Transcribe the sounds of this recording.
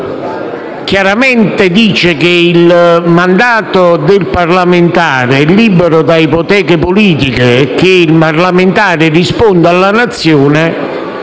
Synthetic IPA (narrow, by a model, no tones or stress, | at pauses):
kjaɾamɛnt̪ɪd̪iːt͡ʃekeilmand̪aːt̪od̪ɪlparlamɪnt̪aːɾeɛlːiːbeɾʊd̪aipot̪ɛːkepoliːt̪ikekeilparlament̪aːɾɪrispond̪alːanat̪sːjoːnɪ